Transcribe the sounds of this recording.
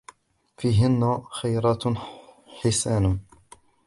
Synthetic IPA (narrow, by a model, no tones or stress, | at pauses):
fiːɦɪnːaxajɾˤɑːt̪ | ħɪsaːnʊ